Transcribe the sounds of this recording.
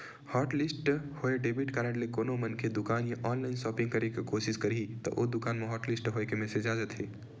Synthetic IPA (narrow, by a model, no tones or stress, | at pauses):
hɔːʈlisʈhoeɖebiʈkaːɾəɽ̃lekonomənkʰed̪ukaːnjaʔɔːnlaɪnsɔːpĩŋɡkəɾekekosiskəɾit̪ɔ̰ʔod̪ukaːnmeɦɔʈlisʈɦoekemesed͡ʒad͡ʒət̪ɦe